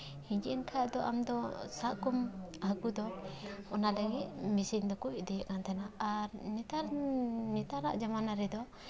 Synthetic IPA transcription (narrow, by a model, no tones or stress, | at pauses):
hiɲd͡ʒiʔɛnkʰaad̪ɔʔa̰md̪ɔsaʔkumhakud̪ɔɔnalɛŋit̪̚misiŋd̪ɔkuʔ̚d̪ɛjɛʔkant̪ʰanaaɾnit̪anit̪ana̰ʔd͡ʒamanaɾɛd̪ɔ